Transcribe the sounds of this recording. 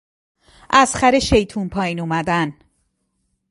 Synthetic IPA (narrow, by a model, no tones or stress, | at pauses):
ʔæzxæɾeʃe̞jt̪ʰuːnpʰɒːjiːnumæd̪æn